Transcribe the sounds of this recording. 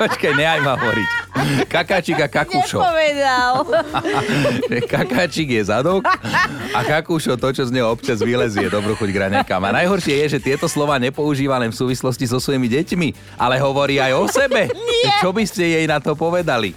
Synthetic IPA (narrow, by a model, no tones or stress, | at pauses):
ɔt͡ʃkajɲɛajmaɦɔʋɔɾḭckakaːt͡ʃiɡakakuːʃɔɔʋɛd̪al | ʒɛkakaːt͡ʃiɡjɛzad̪ɔkakakuːʃɔt̪ɔt͡ʃɔzɲɛɔpt͡ʃazʋiɦlɛzijɛd̪ɔbɾuxɔɟɡɾaɲakama̰najɦɔɾʃɪɛjɛʒɛt̪ɪɛt̪ɔslɔʋaːɲɛpɔuʒiːʋanɛfsuːʋislɔscizɔsʋɔjimiɟɛcmi | ʔalɛɦɔʋɔɾiːajɔsɛbɛt͡ʃɔbiscɛjɛjnat̪ɔpɔʋɛd̪alḭ